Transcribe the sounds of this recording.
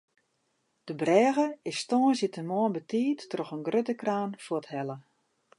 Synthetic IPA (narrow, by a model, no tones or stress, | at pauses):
d̥əbrɛːɣəɪsstɔːnsjitənmɔənbətiːtːrɔxənɡrøtəkraːnfɔəthɛlə